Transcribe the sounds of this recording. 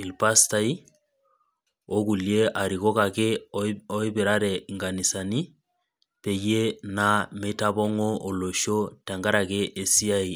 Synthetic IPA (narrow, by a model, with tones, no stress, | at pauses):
i˨lpa˦sta˦i˦ | o˦ku˨lje˦ʔa˨ɾi˨ɣo˦ka˨ke˦o˦i˦be˨ɾa˦ɾɛ˨i˨ŋɡa˨ni˨sa˨ni˦ | pe˨je˦na˦me˦ta˦βɔ˦ŋo˦o˨lo˨ʃo˦ta˨ŋɡa˦ɾa˨ke˦ʔe˦si˦a˦i˨